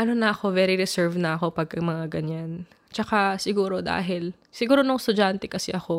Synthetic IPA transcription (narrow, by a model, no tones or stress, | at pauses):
ʔɐno̞nɐʔɐko̞vɛɾiɾɛsɛɹvnɐʔɐko̞pɐɡ̚kɐmɐŋaɡɐɲan | t͡ʃɐkasɪɡuːɾo̞d̪a̰ːɦɪl | sɪɡuːɾo̞nʊŋst̪ʊd͡ʒant̪ɛkɐsɛʔɐko̞